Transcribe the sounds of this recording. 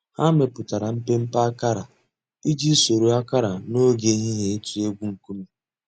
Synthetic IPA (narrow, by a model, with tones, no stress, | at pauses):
ha˦me˨pʊ˨ta˨ɾa˨m̩˦pe˦m̩˦pa˦ka˦ɾa˨ | i˦d͡ʒi˦so˨ɾo˨a˦ka˦ɾa˨no˦ɡe˦ɲi˦ɦe˨e˦tu˨e˦ɡʷu˦ŋ̩˨ku˦mu˦